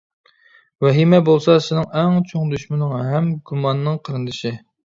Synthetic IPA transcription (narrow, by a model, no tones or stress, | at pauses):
wɛɦimɛbolˠsɑsɪnɪŋɛŋt͡ʃʰoŋd̪yʃmɪnɨŋɦɛmɡumɑnːɨŋqʰəɾɨnd̪ɨʃi